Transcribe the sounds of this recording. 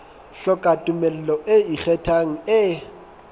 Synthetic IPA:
ɬɔkʼatʼʊmɛlɛlɔʔeik͡xɛtʰaŋ̩ɪ

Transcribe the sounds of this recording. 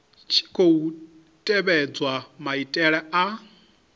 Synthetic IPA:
t͡ʃʰi̥kʰou | tʼɛβɛd͡zwamaitʼɛɺɛa

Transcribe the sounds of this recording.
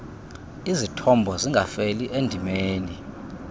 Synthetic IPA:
izitʰɔmbʱɔziŋɡʱafeliʔendʱimeːni

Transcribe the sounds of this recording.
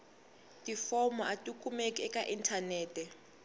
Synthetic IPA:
tʼifɔmaʔatʼukʰʼumekʼiɛkʼaʔintʰanɛːtʰʼɛ

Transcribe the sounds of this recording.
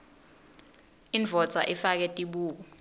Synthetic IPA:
iɱvʱɔdt͡saʔifak̬ɛtʼiɓuːk̬ɔ

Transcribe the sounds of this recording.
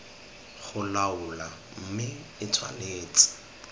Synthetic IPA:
χʊlaʊla | m̩mɪ | ɪt͡sʰwa̰leːt͡sʼɪ̥

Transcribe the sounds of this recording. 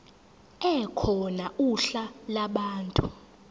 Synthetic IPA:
ɛkʰɔnauɬalaɓaːntʼu

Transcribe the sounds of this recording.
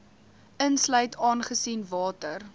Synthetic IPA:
ʔənslœɥtʰɑːnχəsinvɑːtər

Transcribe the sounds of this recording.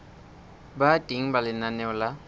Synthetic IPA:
batʼiŋ̩balɪnanɛʊla

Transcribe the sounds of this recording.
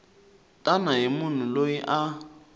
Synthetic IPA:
tʼanaɦimʊn̤ulojiʔa

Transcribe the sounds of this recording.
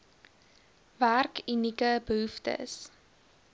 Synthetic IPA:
værkynikəbəɦuftə̰s

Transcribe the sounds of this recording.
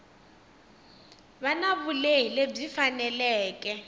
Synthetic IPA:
βanaβuleɦileb͡ʐifanɛlɛːkʼɛ

